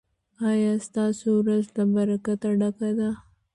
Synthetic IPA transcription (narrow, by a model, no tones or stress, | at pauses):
ɑjɑst̪ɑsuɾazd̪abaɾakat̪aɖakad̪a